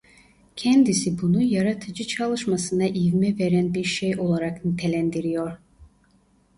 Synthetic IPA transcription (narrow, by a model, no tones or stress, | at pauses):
cʰɛnd̪isibunujaɾat̪ʰɯd͡ʒɯt͡ʃʰalˠɯʃmasɯnaʔivmɛveɾænbiɾʃejo̞lˠaɾaknit̪ʰelʲænd̪iɾijoɾ̥